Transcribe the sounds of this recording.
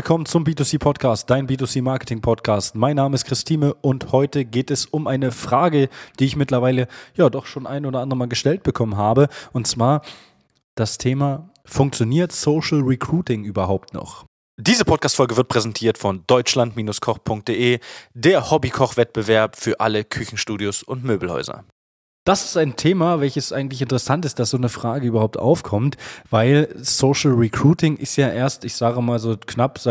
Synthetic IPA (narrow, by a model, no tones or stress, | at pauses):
lkʰɔmənt͡sʊmbiːtusiːpʰɔtkʰaːst̚d̥aɪnbiːtusiːmaɐkə̥tʰɪŋpʰɔtkʰaːstmaɪnːaːməɪstkʁ̥ɪstʰiːnəʔʊnthɔʏtəɡeːtɛsʊmʔaɪnəfʁ̥aːɡəd̥iːɪçmɪtlɐvaɪləjaːdɔχʃoːnʔaɪnoːdɐʔandəʁəmaːlɡəʃtɛlt̚b̥əkʰɔmənɦaːbəʔʊntt͡sv̥aːɐ | d̥astʰeːma | fʊŋkt͡sjoniːɐtsoːʃl̩ʁikʰʁ̥uːtɪŋʔyːbɐɦaʊptnɔ̰χ | d̥iːzəpʰɔt̚kʰaːstfɔlɡəvɪɐt̚pʁ̥ɛzɛntʰiːɐtfɔndɔʏt͡ʃlantmiːnʊskʰɔχpʰʊŋk̚t̚d̥eːʔeːdeːɐhɔbikʰɔχv̥ɛt̚b̥əvɛɐpfyːɐʔa̰ləkʰʏçn̩ʃtuːdjosʊntmøːbl̩hɔ̰ʏzɐ̰ | d̥asɪ̥staɪntʰeːmavɛlçəsʔaɪɡŋ̩tlɪçɪntəʁɛsantɪstd̥asz̥oːnəfʁ̥aːɡəyːbɐhaʊp̚tʔa̰ʊfkʰɔmtv̥aɪlsoːʃl̩ʁikʁ̥uːtɪŋʔɪstjaːʔeːɐstɪçz̥aːɡəmaːlzoːknapz